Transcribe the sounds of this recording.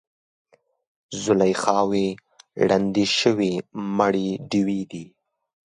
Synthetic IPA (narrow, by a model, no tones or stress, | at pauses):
zʊlajxɑwe | ɽand̪iʃəwimaɽiɖiwid̪i